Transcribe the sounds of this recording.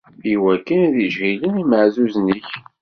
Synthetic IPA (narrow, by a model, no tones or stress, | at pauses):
iwækːənæðiʒɣiləniməʕzuzniç